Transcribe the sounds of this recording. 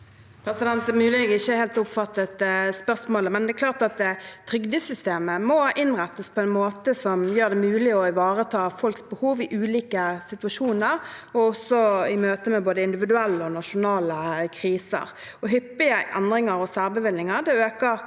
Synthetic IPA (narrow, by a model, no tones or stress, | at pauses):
pʰɾɛsɪd̪ɛnt̪əmʉːlɪɡɪçːəheːlt̪ʊpfɑt̪ːət̪əspœʁsmoːləmɛnɛɛkʰlɑːʁt̪ɑt̪̚d̪ɛt̪ʰɾʏɡd̪ɪsʏst̪eːməmɔɪnʁæt̪ːəspʰɔɛnmoːt̪əsɔmjøːʁd̪ɛmʉːlɪɔɪʋɑːʁət̪ʰɑːfɔlksbəhuːʋɪʔʉːliːkəsɪt̪ʉɑʂuːnəʁɔɔsɔɪmøːt̪əmɛboːd̪əɪnd̪ɪʋɪd̪ʉɛlːəɔnɑʃʊnɑːləkʰʁiːsə̰ɾ | ɔɦʏpːɪəʔɛnd̪ɾɪŋəɾɔsæːʁbəʋɪlnɪŋəɾd̪ɛøːkəɾ